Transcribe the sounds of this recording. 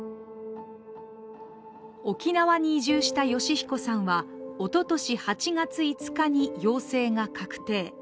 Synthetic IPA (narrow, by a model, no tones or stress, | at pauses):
o̞kʲinaβaɲ̟iːʑɨːɕi̥t̪ajo̞ɕiçi̥ko̞sãɰ̃βao̞t̪o̞t̪o̞ɕihat͡ɕiŋat͡sɨit͡sɨ̥kaɲ̟ijo̞ːse̞ːŋakʰakɯ̟̥t̪e̞ː